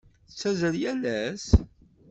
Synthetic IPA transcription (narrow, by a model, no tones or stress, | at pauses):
ət͡sːæzəljælæs